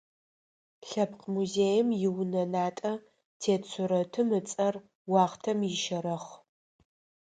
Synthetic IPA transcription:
ɬɐpqʰmuzeːjɪmjɪwnɐnaːtʼɐ | tʰeːt͡sʷʰʊɾɐtʰɨmɨt͡sʼɐr | wɑːχtʰɐmjɪʃɐɾɐχ

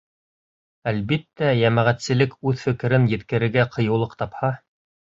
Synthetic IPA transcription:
ælβit̪ːæjæmæʁæt̪sɘ̆lɘkʉðfɘ̆kɘ̆ɾɘnjɘ̆t̪kɘ̆ɾɘ̆ɾɡæqʰɤ̆jɤ̆wlˠɤqt̪ɑphɑ

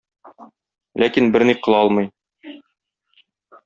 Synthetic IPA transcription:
lʔækinbɘɾniqɤ̆lˠɒlˠmɤ̆j

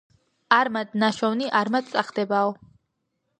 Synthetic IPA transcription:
aɾmad̪naʃɔvniʔaɾmat̪̚sʼaχd̪ɛbaɔ

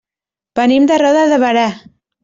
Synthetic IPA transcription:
b̥ənimd̪ərɔðəðəβəɾa

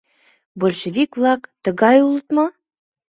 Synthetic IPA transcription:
bolʲʃĕβikvlˠɑkt̪ə̆ɣɑjulˠət̪mɤ

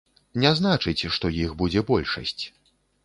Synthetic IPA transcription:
nʲɛznat͡ʂɨt͡sʲʂt̪ɔjixbud͡zʲɛbɔlʲʂɐ̰sʲt͡sʲ

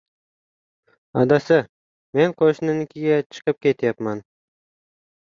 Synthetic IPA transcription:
ɒd̪asɪ | me̞nqʰoʃnɪnɪkʲʰɪɡʲat͡ʃʰɨ̥qɨp̚kʲe̞t̪japman

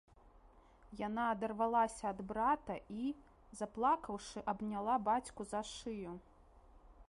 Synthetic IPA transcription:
janaːd̪ɐrvalˠasʲɐːd̪bɾat̪ɐʔi | zɐplˠakɐwʂɨʔɐbnʲalˠabat͡sʲkuzaʂɨju

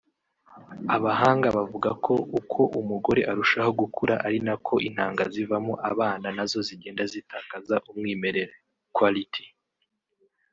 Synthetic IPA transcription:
aβaɦaːŋɡaβavuɡakʰo̞ukʰo̞ʔumuɡo̞ɾe̞ʔaɾuʃaho̞ɡukʰuɾaʔaɾinakʰo̞ʔin̥haːŋɡazivamuʔaβaːnanazo̞ziɡe̞ːndazitaːkazaʔumŋiːme̞ɾe̞ɾe | kwalitʰi

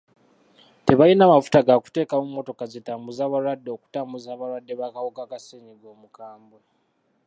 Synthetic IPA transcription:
te̞βajinaːmafu̥taɡaku̥te̞ːkamumːo̞to̞kazetaːmbuzaːβalwadːeoku̥taːmbuzaːβaɾwadːeβakawokakaseːɲiɡo̞ːmukaːmbo

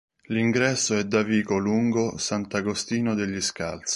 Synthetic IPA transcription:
liŋɡɾɛsːoɛd̪ːaviːkoluŋɡosant̪aɡost̪iːnod̪eʎːiska̰lt̪s

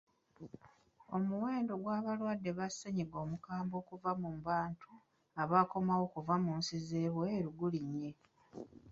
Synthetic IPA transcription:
o̞muwe̞ːndo̞ɡwaːβalwadːe̞βasːeɲiɡo̞ːmukaːmbo̞ːkuvamumbaːntʰu | aβako̞mawo̞kuvamuːnsize̞ːβweːɾuɡuliɲːe̞

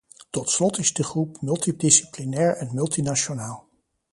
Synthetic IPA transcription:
tɔtslɔtɪzdəχrupmɵlˠtidɪsi̥plinɛːɹɛnmɵlˠtinaʃonaːlˠ

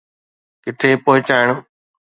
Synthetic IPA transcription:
kɪʈʰeːpoːɦɪt͡ɕaːɪɳ̃

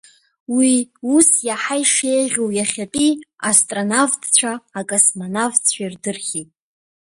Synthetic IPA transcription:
wiusjaħajʂe̞jʁʲowjaχʲapʼiastʼronavtʰt͡sʷʰaːkʼasmanavt͡sʰʷᶣairdɨrχʲitʼ

